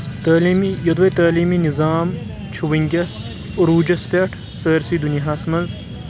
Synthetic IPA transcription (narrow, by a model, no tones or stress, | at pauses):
t̪aːliːmijɐd̪ʋɐt̪aːliːminizaːm | t͡ʃʰuʋiŋɡʲɐs | ʊɾuːd͡ʒɐspʲɐʈʰ | səːɾsiːd̪unijɦaːsmɐnz